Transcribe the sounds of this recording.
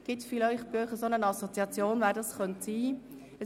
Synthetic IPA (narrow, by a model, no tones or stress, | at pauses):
ɡ̥ɪtfilœʏχb̥øχəsonənɑsot͡siɑt͡sjoːnvɛːɾdɑsχœntsiː | ə